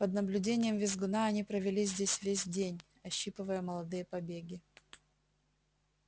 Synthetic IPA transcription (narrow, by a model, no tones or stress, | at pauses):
pəd̪nəblʲʉdʲenʲɪjəmvʲɪzɡʊnaɐnʲipɾəvʲɪlʲizʲdʲesʲvʲesʲdʲenʲ | ɐɕːipɨvəjəməlˠɐd̪ɨjəpɐbʲeɡʲɪ